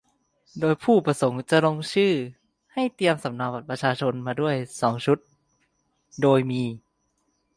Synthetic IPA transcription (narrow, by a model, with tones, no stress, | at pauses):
doː˧jpʰuː˥˩pɾa˧so˩˦ŋt͡ɕa˨˩lo˧ŋt͡ɕʰɯː˥˩ | ha˥˩jt̪i˧əmsa˩˦mnaː˧˩wbaː˨˩t̪̚pɾa˧t͡ɕʰaː˧t͡ɕʰo˧nmaː˧du˥˩əjsɔː˩˦ŋt͡ɕʰu˦˥t̪̚ | doː˧jmiː˧